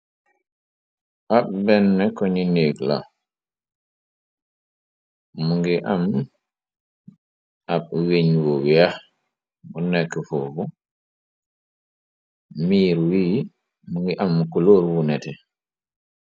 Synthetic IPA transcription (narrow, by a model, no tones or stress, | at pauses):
aɓ̚bɛnːɛkoɲinekla̰ | uŋɡiʔam | aɓ̚wiɲwowiah | munɛkːfufu | miːɾwiː | muŋɡiʔamːukuloːɾwunɛtɛ